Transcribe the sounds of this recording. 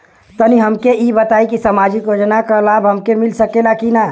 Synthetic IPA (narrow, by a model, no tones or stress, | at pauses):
t̪əniɦəmkeibət̪aikisəmad͡ʒikjod͡ʒnakəlabɦəmkemilsəkelakina